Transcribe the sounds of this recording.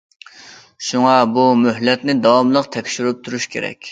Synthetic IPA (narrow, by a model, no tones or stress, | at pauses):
ʃuŋɑbumyɦlɛt̪nɪd̪ɑwɑmlˠəqt̪ʰɛkʲʃyɾyp̚t̪ʰuɾuʃkʲʰḛɾɛ̰kʲ